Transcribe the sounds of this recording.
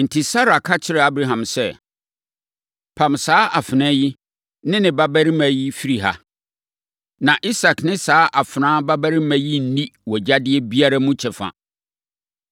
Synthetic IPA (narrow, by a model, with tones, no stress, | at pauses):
n̩˨tʰi˨sa˦ɾa˨kʰa˦t͡ɕʰɪ˦ɾɪ˨a˦bɾa˨ɦã˨msɛ˦ | pʰã˨msaː˦ʔa˨fɪ˨nɛ̃˦ji˦ | nɪ̃˦nɪ̃˨ba˦bæ˦ɾi˦mæ̃˨ji˦fi˦ɾi˨ɦa̰˨ | nã˨ʔi˦sa˨knɪ̃˦saː˦ʔa˨fɪ˨nãː˦ba˦bæ˦ɾi˦mæ̃˨ji˦n̩˦nĩ˦wɔ˨d͡ʑa˦dɪ˦ɛ˦bi˦a˦ɾa˦mʊ̃˦t͡ɕʰɛ˨fã̰˨